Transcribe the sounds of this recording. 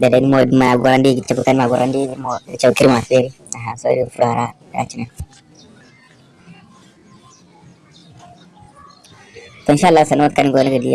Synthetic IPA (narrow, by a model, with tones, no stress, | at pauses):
da˨da˨ni˦mo˨dma˨ɡɔ˨ɾa˦ndi˦ɡit͡ʃa˨bu˨ka˦n˦ma˨ɡu˨ɾa˦ndi˦mo˨t͡ʃa˦ba˨ki˦ɾi˦ma˨fe˦li˦ | a˨ɦa˨so˦di˦˨fu˦ɾha˨ɾa˦da̰˨t͡ʃi˦na˨n | tɔ˨i˨nʃa˦lːa˦sa˨n˦o˦t̚ka˦ni˦ɡo˦ni˦ɡa˨dḭ˦ja˦